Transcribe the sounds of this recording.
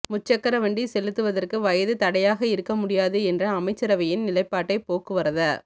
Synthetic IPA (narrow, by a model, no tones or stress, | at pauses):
mʊt͡ʃːɐkːɐɾɐʋɐɳɖisɛlɯt̪ːɯʋɐðɐrkɯʋɐjɐðɯt̪ɐɽɐjaːɣɐɪɾɯkːɐmʊɽɪjaːðɯɛndrɐɐmɐɪt͡ʃːɐɾɐʋɐjɪnnɪlɐɪpːaːʈːɐɪpoːkːɯʋɐɾɐðɐː